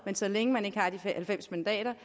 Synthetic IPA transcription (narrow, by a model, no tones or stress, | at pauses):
mensɒ̽leŋəmæne̝ɡ̥əɑ̈d̥ihælfem̰smænd̥ɛ̰ːɾɐ